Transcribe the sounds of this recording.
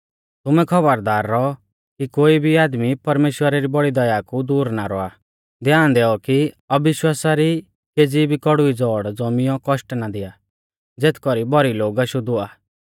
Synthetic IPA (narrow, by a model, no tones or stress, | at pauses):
t̪ʊmɛkʰɔbəɾd̪aːɾːɔ | kikoːibʱiaːd̪mipɐɾmeːʃwəɾaɾibɔɽid̪ɐjaːkud̪uːɾnaɾɔa | d̪ɛãːnd̪ɛːɔki | ɐbɪʃwaːsaɾi | keːd͡ziːbʱikɔɽuid͡zɔːɽd͡zɔmɪjɔ̃kɔʃʈnad̪ɪja | d͡zeːt̪ʰkɔɾibɔɾiloːɡaʃʊd̪ʊaː